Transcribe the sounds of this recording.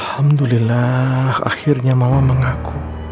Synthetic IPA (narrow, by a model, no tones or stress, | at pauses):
lhamd̪ulilaha̰xirɲamawaməŋakʰu